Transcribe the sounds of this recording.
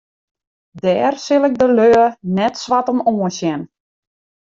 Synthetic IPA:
dɛːrsɪlˠɪk̚dəløːənɛtsʋatəmoːəsjɛn

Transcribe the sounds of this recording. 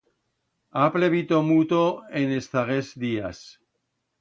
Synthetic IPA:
apleβit̪omut̪oenest̪aɣesðias

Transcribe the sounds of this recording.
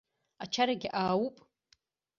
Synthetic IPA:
at͡ʃʰaɾaɡʲɪʔaːwupʼ

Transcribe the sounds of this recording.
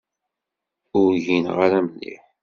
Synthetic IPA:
ʊɾʝinʁaɾæmənːḭħ

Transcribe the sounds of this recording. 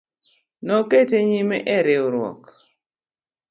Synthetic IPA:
nɔketeɲimɛʔɛɾɪoɾwɔ̰k

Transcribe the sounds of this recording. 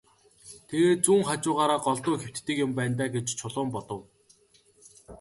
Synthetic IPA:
t̪ʰeɣeːt̪̚t͡suːŋχat͡ɕʊːʁaːɾaːɢɔɮt̪ʊːxew̥t̪t̪ːɘ̆kjʊmpæːnt̪æːɡet͡ɕt͡ɕʰʊɮʊːmpɔt̪ɞ̆w

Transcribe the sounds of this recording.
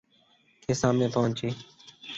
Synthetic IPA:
k̪ʰeːsãːmẽːpoːnt͡ʃiː

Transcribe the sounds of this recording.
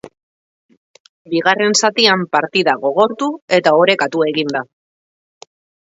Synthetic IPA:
biɣ̞are̞nsat̪iampaɾt̪iðaɣo̞ɣ̞o̞ɾt̪ue̞t̪aoɾe̞kat̪ue̞ɣind̪a

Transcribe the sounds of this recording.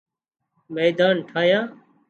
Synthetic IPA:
meːd̪aːnʈʰaːjãː

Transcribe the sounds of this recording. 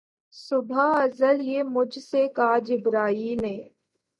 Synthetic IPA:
sʊbʱaɐzəljeːmʊd͡ʒʱsekaɦd͡ʒɪbɾaːiːnẽː

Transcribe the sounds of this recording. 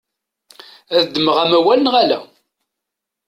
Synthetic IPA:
æðd̪ːəməʁæmæwælənʁalæ̰

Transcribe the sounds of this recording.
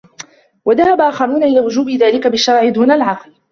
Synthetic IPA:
waðahabaʔaːxɑɾˤuːnaʔɪlaːwʊd͡ʒuːbɪðaːlɪkabɪʃːɑɾˤʕɪd̪uːnalʕɑql

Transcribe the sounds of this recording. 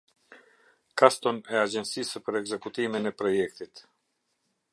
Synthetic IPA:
kast̪ɔnɛad͡ʑɛnsisəpəɾɛɡzɛkut̪iminɛpɾɔjɛkt̪it̪

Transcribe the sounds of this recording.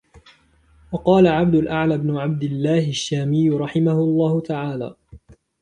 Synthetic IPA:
wɑqɑːlaʕab̚d̪ʊlʔaʕlaːbnʊʕab̚d̪ɪlːaːhɪʃːaːmɪjːʊɾˤɑħɪmahʊlˤːɑːhʊt̪aʕaːla̰ː

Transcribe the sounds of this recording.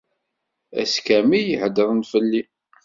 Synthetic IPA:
æ̰skæmijəħd̪əɾˤənfəlːi

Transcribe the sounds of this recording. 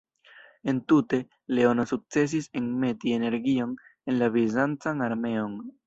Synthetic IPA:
e̞ntute̞ | le̞o̞no̞suk̚t͡se̞s̬isenme̞tie̞ne̞ɾɡio̞ne̞nlavizant͡sanaɾme̞o̞n

